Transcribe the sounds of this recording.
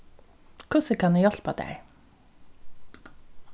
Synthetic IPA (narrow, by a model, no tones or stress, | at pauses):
kʰʊsəkʰɑnʉːjɔlpɑ̰d̪æ̰ɪ